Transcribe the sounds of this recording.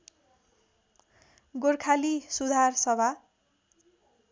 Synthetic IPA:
ɡorkʰalisud̪ʱarsʌbʱa

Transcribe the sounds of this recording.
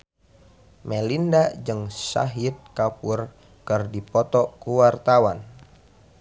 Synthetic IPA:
mɛlindad͡ʒɨŋsa̰ɦit̪̚kapur | kɨrdipɔt̪ɔkuwart̪awan

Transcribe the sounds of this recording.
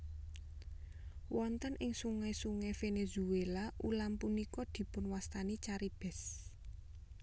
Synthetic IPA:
wɔnt̪ənʔɪŋsuŋɛsuŋɛfenezuelaʔulampunikɔd̪̥i̤pʊnwast̪anit͡ʃaɾib̥ɛs

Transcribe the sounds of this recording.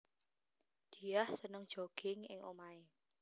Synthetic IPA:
d̪̥i̤jahsənəŋ̥ʒ̥oɡ̥ɪŋɪ̰ŋʔo̰mae

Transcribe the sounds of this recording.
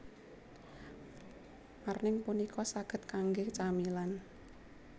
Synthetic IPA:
marnɪŋpunikʰɔsaɡ̥ə̤t̪̚kaŋɡet͡ʃamilan

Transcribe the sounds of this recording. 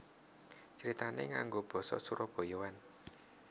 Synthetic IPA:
t͡ʃəɾit̪aneŋaŋɡob̥ɔ̤sɔ̰suɾʔɔb̥ɔ̤jowan

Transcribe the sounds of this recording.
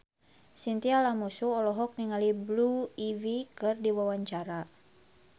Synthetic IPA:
sint̪ialamusuɔlɔɦɔk̚niŋalibluivikɨrdiwawaɲt͡ʃaɾa

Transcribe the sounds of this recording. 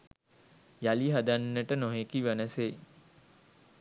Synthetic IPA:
jaliɦad̪anːəʈənoɦekiʋænəse

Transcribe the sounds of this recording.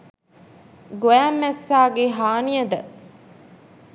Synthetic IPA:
ɡojæmːæsːaːɡeɦaːnijɐd̪ə

